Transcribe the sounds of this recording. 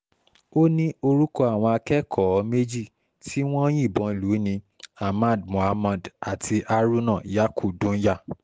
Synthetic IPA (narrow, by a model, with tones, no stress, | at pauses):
o˦nĩ˦o˧ɾu˦kɔ˧a˨w̃ɔ̃˧a˧kɛ˦kʰɔ˦˨˧me˦d͡ʒi˦˨ | tʰi˦w̃ɔ̃˦j̃ĩ˦˨bɔ̃˨˧i˧˨lu˨˦nĩ˧ | a˨mã˦˨d̚mɔ̃˨a˧mã˦˨da˨tʰi˧ʔa˧ɾu˦nã˦˨ja˦kʰu˦˨dũ˦ja˦˨